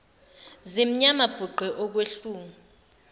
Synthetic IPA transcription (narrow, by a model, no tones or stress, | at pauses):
zim̩ɲamab̥ʱuɡ͡ǃʱɛʔɔk̬weɬuːmu